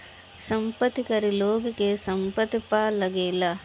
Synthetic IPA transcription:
sɐmpɐt̪ikɐɾiloːɡikesɐmpɐt̪ipaːlɐɡeːlɐ

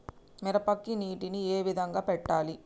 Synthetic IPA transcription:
mɛɾɐpɐkːiniːʈinieːʋid̪ʱɐŋɡaːpɛʈːaːli

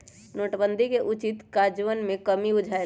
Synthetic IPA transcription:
noːʈbə̃nd̪ʱikeʔʊt͡ʃɪt̪kaːd͡ʒʋənmẽkəmiʊd͡ʒʱae

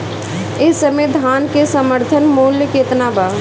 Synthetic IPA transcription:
esəmed̪ʱankesəməɾt̪ʰənmuljəket̪naba

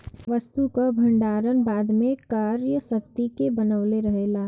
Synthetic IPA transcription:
ʋəst̪ukabʱɐ̃ɳɖaːɾənbaːd̪mẽkaːɾjəsək̚t̪ikebɐnəʋleɾɐɦeːlaː

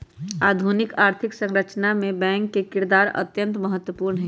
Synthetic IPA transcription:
aːd̪ʱunɪkaːɾt̪ʰɪksə̃ŋɾət͡ʃnamẽbɛ̃ːŋkːekɪɾd̪aːɾə̰t̪jə̃nt̪məɦət̪ːwəpuːɾnɦɛ

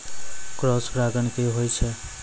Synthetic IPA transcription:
kɾɔspɾaɡənkeɦojt͡ʃʰʌ

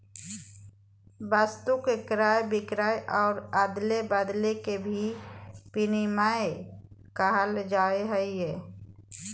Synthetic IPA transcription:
bast̪ukekɾaːjbɪkɾaːeʔɔːɾaːd̪lebəd̪lekebʱipinimaekaɦəld͡ʒaːeɦəiɛː

